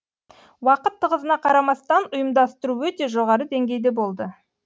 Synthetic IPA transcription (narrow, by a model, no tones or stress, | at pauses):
wɑqət̪ʰːəʁəzənɑqʰɑɾɑmɑst̪ɑnʊjəmd̪ɑst̪əɾuwɵt̪e̞ʒo̞ʁɑɾəd̪e̞ŋɡʲe̞jd̪e̞bo̞lˠd̪ə